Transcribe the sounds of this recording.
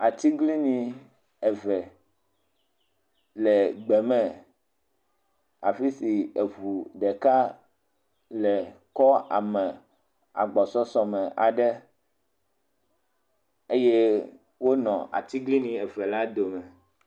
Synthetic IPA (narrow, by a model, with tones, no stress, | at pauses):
a˨t̪i˦ɡli˦nĩ˨ | ɛ˨vɛ˨ | lɛ˨ɡ͡bɛ˨mɛ̃˨ | a˨fi˦si˨e˨vu˨ɖɛ˨ka˦ | lɛ˨kɔ˦a̰˨mɛ̃˨ | a̰˨ɡ͡bɔ˨sɔ˦sɔ˨mɛ̃˨ʔa˨ɖɛ˦ | e˦je˦ | wo˦nɔ̃˨a̰˨t̪i˦ɡli˦nĩ˨ɛ˨vɛ˨la˦d̪o˨mɛ̃˨